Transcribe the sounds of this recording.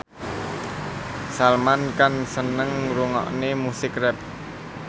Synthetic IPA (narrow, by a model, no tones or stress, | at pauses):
salmankansənəŋɾuŋɔ̰ʔnemusɪkrɛp̚